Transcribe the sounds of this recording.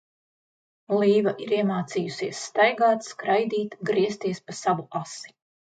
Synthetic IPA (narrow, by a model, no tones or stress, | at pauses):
lˠiːvaʔiɾiɛmaːt̪siːjusiɛsːt̪ajɡaːt̪skɾajd̪iːt̪ɡɾiɛst̪iɛspasavuasi̥